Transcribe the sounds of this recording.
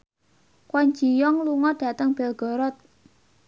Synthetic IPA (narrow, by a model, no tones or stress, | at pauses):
kwɔɲd͡ʒi̤jɔŋluŋɔɖ̥ä̤t̪əŋb̥ɛlɡ̥ɔ̤ɾɔt̪̚